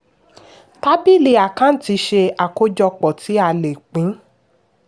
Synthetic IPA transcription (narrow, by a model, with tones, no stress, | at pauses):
ta˦bi˦le˧a˨kã˦n̩˦ti˧˦ʃe˧a˨ko˦d͡ʒɔ˧k͡pɔ˨ti˨˦a˦˧˨le˨k͡pĩ˨˦